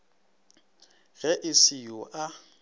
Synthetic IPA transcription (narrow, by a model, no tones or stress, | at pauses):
ɣɛʔɪsɪjʊʔa